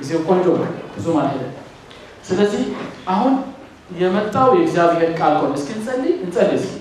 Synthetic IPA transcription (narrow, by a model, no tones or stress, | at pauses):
ɨzewkʼont͡ʃʼobəbɨzumalhəd̪ə | sɨləzːihʔaɦun | jɛmət̪ʼːawjɛɡzjaβiɦeɾkʼalkonəskiɨnsʼəldiɨnsʼəlːisk